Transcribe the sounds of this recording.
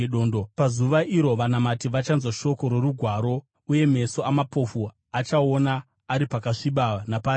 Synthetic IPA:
ɗoːndopazuʋaʔiɾo̞ʋanamatiʋat͡ʃanzwaʃo̞ko̞ɾe̞ruɡʱwaːɾo̞ | uje̞me̞so̞ʔamapo̞fu | at͡ʃao̞naː | ɾipakaʂiɓanapaːi

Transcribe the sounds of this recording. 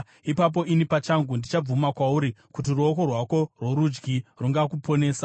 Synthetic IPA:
ipap̬o̞ʔinipat͡ʃaŋɡundit͡ʃab͡vumakwauɾikutiruoko̞rwako̞rwo̞ɾud͡ʒɡiruŋɡakupʰo̞ne̞ːsa

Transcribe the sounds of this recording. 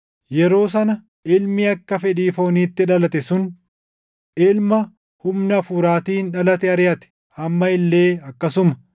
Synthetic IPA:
jɛɾo̞ːs̬ɐnɐ | ʔɪlmiɐkːɐfɛᶑiːfo̞ːniːt̪ːɪᶑɐlɐt̪ɛsʊn | ʔɪlmɐ | hʊmnɐɐfuːɾaːt̪iːnᶑɐlɐt̪ɛɐɾɪjɐt̪ɛ̥ | hɐmːɐɪlːe̞ːɐkːɐsʊmɐ̥

